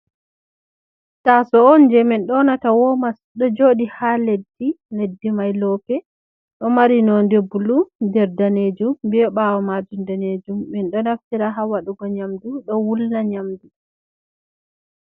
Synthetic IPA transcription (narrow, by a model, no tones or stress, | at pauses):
tasɔɔnd͡ʒɛmɛnɗɔnatawɔmasɗɔd͡ʒoːɗihaledːi | ledːimajlɔːpɛ | ɗɔmaɾinɔndebːuludɛɾdaned͡ʒumbɛɔɓawɔmad͡ʒundaned͡ʒumːɛnɗɔnaftiɾaɦawaɗuɡɔɲamduɗɔwulnaɲamdu